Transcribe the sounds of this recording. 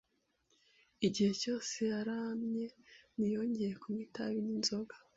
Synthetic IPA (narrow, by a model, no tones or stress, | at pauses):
iɟihe̞co̞ːse̞jaɾamɲe̞nijo̞ːɲɟe̞je̞kumŋitaβininzo̞ɡa